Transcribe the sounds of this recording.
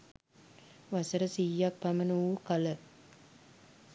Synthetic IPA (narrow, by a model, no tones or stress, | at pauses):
ʋasəɾəsijːak̚pamənukalə